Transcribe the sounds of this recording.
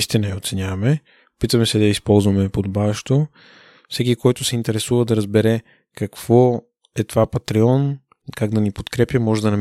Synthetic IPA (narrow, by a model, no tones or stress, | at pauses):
ist̪inɐjɛot̪sɛnʲjavɐmɛ | pit̪ɐmɛsɛd̪ɐispɔlˠzvɐmɛpod̪obavɛʃt̪o | fsɛk̬ikɔjt̪ʊsɛint̪ɛɾɛsuvəd̪ɐɾɐzbɛɾɛ | kɐkv̥ɔ | ɛt̪ovapɐt̪ɾɛɔn | kaɡd̪ɐnipot̪kɾɛpjəmɔʒɛd̪ɐnɐm